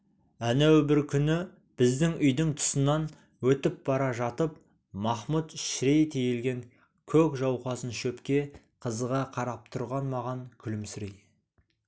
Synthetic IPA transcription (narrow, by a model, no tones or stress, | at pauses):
ænæwbɪɾkʲʰʏnɪ | b̥ɪzd̪ɪŋʏjd̪ɪŋt̪ʰʊ̥sənɑn | wɵt̪ɪp̚b̥ɑɾɑʒɑt̪əp̚ | mɑχmut̪ʃɾejt̪ʰejelɡʲe̞ŋ | kʲʰɵkʲʒɑwqɑsənʃɵpkʲe̞ | qʰəzəʁɑqʰɑɾɑp̚t̪ʰʊɾʁɑnmɑʁɑŋkʲʰʏlɪmsɪɾej